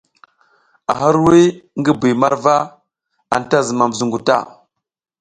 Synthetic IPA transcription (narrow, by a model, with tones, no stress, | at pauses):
a̰˨ɦa˦ɾwi˦ŋɡə˦bi˨ma˦ɾva˦ | a̰˨n˨ta˦zə˨ma˨m˨zu˨ŋɡu˨ta̰˦˨